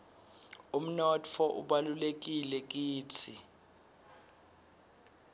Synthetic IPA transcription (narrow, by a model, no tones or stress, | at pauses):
um̩nɔtʰɔʔṵɓalulek̬ilɛk̬iːtʰi